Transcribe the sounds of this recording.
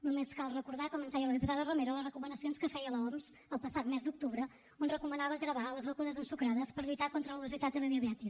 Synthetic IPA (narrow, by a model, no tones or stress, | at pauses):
numeskalˠrəkuɾðakomənt̪ɛjəlˠəðiput̪aðəromeɾuləzrəkumənəsionskəfɛjəlˠomzəlˠpəsat̪mezd̪uk̚t̪uβɾə | onrəkumənaβəɣɾəβaləzβəkuðəzənsukɾaðəspəɾʎit̪akont̪ɾələuβəzit̪at̪̚ələβiuβjat̪i